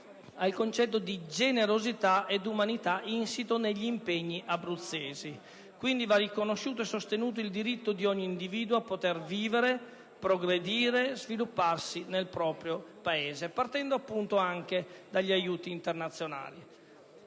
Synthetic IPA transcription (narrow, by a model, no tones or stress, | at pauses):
alkont͡ʃɛt̪ːod̪id͡ʒeneɾozit̪aed̪umanit̪aʔinsit̪oneʎːiːmpeɲːiʔabɾut̪sːeːzi | kwind̪ivarːikonoʃːuːt̪̬oɛsːost̪enuːt̪̬oild̪iɾit̪ːod̪iɔɲːiːnd̪iviːd̪woapːot̪erviːveɾe | pɾoɡɾed̪iːɾezvilupːarsinelpɾɔːpɾjopaeːzepart̪ɛnd̪oapːunt̪oaŋk̟ed̪aʎːiajuːt̪iːnt̪ernat̪sːjona̰ːli